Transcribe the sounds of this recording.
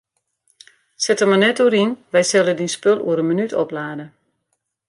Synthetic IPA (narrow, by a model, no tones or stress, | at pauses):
sɛtəmanɛtuəɾinʋɛjsɛlədinspølˠṵəɾənmənytʰɔplaːdə